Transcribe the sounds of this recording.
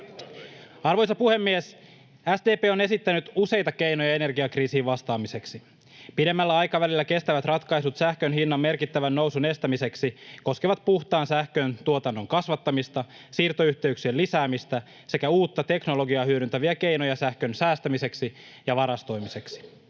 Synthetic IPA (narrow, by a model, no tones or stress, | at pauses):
ɑrʋo̞jsɑpuhe̞mːies | æsd̪eːpeːo̞ne̞sit̪ːænyt̪use̞jt̪ɑke̞jnojɑe̞ne̞rɡiɑkriːsiːʋʋɑst̪ɑːmise̞ksi | pide̞mːælːæɑjkɑʋælilːæke̞st̪æʋæt̪rɑt̪kɑjsut̪sæhkønɦinːɑmːe̞rkit̪ːæʋænːo̞wsune̞st̪æmise̞ksiko̞skeʋɑt̪̚puxt̪ɑːnsæhkøːnt̪uot̪ɑnːo̞ŋkɑsʋɑt̪ːɑmist̪ɑ | siːrt̪o̞yçt̪e̞yksielisæːmist̪æ | se̞kæuːt̪ːɑt̪e̞knolo̞ɡiɑhyøɾynt̪æʋiæke̞jno̞jɑsæhkø̞nsæːst̪æmise̞ksi | jɑʋɑɾɑst̪o̞jmise̞ksi̥